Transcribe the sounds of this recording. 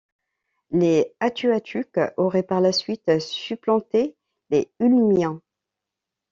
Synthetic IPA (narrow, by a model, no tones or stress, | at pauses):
leat̪ʰyat̪ʰykɔʁɛpaʁlasɥit̪syplɑ̃t̪e | leylmjɛ̃